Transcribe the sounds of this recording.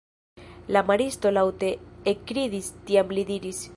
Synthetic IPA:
lamaɾisto̞lawte̞ekːɾidistiamlid̪iɾis

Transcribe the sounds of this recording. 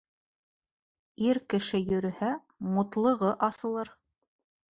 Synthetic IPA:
iɾkɘ̆ʃɘjɵ̆ɾɵ̆hæ | mŏt̪lˠɤ̆ʁɤʔɑsɤ̆lˠɤɾ

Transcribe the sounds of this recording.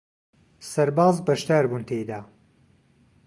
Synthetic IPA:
sɐɾbaːzbɐʃd̪aːɾbuːnt̪ʰejd̪aː

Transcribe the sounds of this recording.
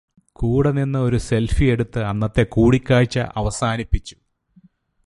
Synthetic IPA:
kuːɽɐninːɐo̞ɾuse̞lfie̞ɽut̪ːɨɐnːɐt̪ːe̞kuːɽikʲːaːɻt͡ɕːɐ̰ʔɐʋɐsaːnipːit͡ɕːu̥

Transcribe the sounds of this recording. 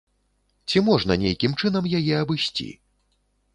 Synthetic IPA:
t͡sʲimɔʐnɐ̰nʲḛjkʲimt͡ʂɨnɐmjajɛɐbɨsʲt͡sʲḭ

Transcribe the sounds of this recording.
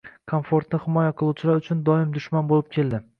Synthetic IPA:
kʰonfoɾt̪nɪhɪmɒjaqʰɨlˠuwt͡ʃʰɪlaɾʊt͡ʃʰʊnd̪ɒɪmd̪ʊʃmanbolˠɪp̚kʲʰe̞ld̪ɪ

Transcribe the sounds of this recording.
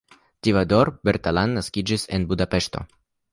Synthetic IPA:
tivado̞ɾbe̞ɾt̪alanːaskid͡ʒise̞nbudape̞ʃto̞̰

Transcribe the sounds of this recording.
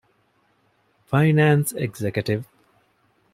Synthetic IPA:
fajnaːnseɡzekjəʈiʋ

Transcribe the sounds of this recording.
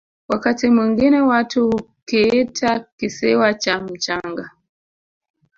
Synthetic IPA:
wakatimwiŋɡinɛwatuukɛɛtʰakisiwat͡ʃam̩t͡ʃaŋɡa

